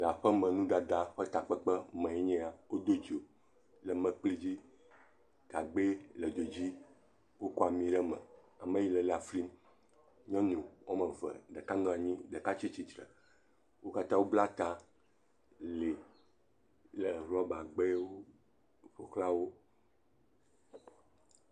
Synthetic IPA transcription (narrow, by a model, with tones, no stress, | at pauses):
la˨ɸɛ˦mɛ̃˨nũ˦ɖa˨d̪a˦ɸɛ˦t̪a˨k͡pɛ˦k͡pə˦mɛ̃˨ɛ˦ɲɛ̃˦a˨wo˦d̪o˦d͡ʒo˨ | lə˨mɛ̃˨k͡pli˦d͡ʑi˦ | ɡ̥a˨ɡ͡be˦lə˨d͡ʒo˨d͡ʑi˦ | wo˦kɔ˦a˨mĩ˦ɖɛ˦mɛ̰̃˨ | a˨mẽ˦ji˦lə˨la˨fli˦m | ɲɔ̃˦ɲũ˨wo˦mẽ˨və̰˨ɖə˨ka˦nɔ̃˦˨a˨ɲĩ˦ɖə˨ka˦t͡ɕi˦t͡ɕi˨t̪ɾə̰˨ | wo˦ka˦t̪ã˦wo˦bla˦t̪a˦ | le˨ | lɛ˨ɦlu˦ɔ˦ba˨ɡ͡be˦wo˦ | ɸo˨kla˦wo˦